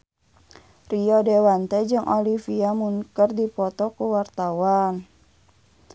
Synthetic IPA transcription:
riɔdewant̪ɛd͡ʒɨŋʔolifiamuŋkərdipɔt̪ɔkuwart̪awan

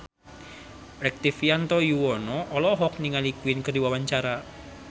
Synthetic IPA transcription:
ɾɛk̚t̪ifjant̪ɔjuwɔnɔʔɔlɔɦɔk̚niŋalikuwinkərdiwawaɲt͡ʃaɾa

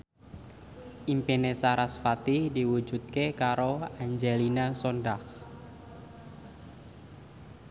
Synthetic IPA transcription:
ʔimpenesaɾasfat̪idiwud͡ʒut̪̚kekaɾoaɲd͡ʒelinasondah

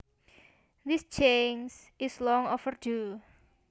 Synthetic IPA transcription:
ðist͡ʃensʔislɔŋofərdu

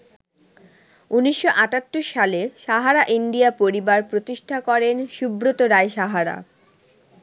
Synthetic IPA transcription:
uniʃːoʔaʈat̪ːoʃʃaleʃaɦaɾaʔiɳɖiapoɾibaɾpɾot̪iʃʈʰakɔɾenʃubɾot̪oɾaeʃaɦaɾa̰

